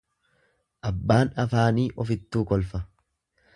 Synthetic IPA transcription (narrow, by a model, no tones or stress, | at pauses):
ʔɐbːaːnɐfaːniːʔɔfɪt̪ːuːkɔlfɐ